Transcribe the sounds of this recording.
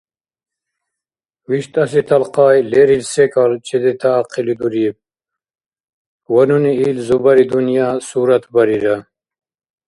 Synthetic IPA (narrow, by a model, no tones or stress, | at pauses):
wiʃt̪ʰɐsit̪ʰɐlqɑːjleɾilsekalt͡ʃʰid̪it̪ʰaːqilid̪uɾib̚ | wɐnuniiːlzubɐɾid̪unjaːsuːɾɐt̪ʰbɐɾiɾɐ